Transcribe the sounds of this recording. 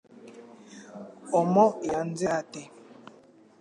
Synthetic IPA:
ɔmɔjan̩d͡zɛatɛ

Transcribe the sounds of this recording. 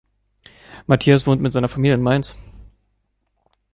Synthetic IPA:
matʰiːasv̥oːntmɪtz̥aɪnɐfamiːljəɪnmaɪns

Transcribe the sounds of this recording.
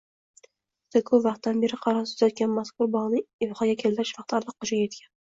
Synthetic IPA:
t̪ʰakʰovɑχt̪̚d̪anbe̞ɾɪqʰɑɾɒsʰʊ̥zat̪̚ɡʲanmaskʊɾbɒʁnɪɪvχɑɡʲakʲʰeld̪aɾɪʃvɑqt̪ʰaɾlˠɨq̚qːʊʃajet̪kʲʰan

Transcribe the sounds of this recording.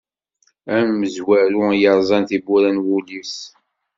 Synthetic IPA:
æmːəzwæɾujəɾˤzˤɑnθibuɾænwulis

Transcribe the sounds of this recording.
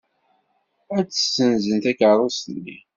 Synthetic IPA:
æt͡sːə̥sːənzənt̪ækəɾˤosənːi

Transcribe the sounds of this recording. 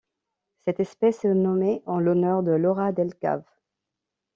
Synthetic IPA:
sɛt̪ɛspɛsənɔmeʔɑ̃lɔnœʁd̪əlɔʁad̪ɛlka̰v

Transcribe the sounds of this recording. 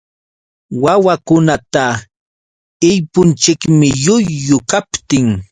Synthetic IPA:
wawakʊnat̪a | ɪjpʊnt͡ʃɪkmɪʎʊjːʊkapt̪ɪŋ

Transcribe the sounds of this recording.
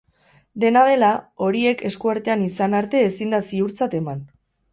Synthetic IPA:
d̪e̞nað̞e̞lao̞ɾie̞kʰe̞skuaɾt̪e̞anisanaɾt̪e̞ːsind̪asiuɾt͡sat̪e̞man

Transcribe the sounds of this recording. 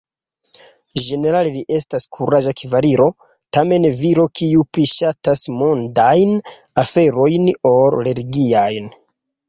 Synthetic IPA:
d͡ʒe̞ne̞ɾaleliʔe̞staskʰuɾad͡ʒakivaɾiɾo̞ | tame̞nviɾo̞kiupɾiʃatasmondajnafe̞ɾo̞jnoɾle̞ɾɡiajn

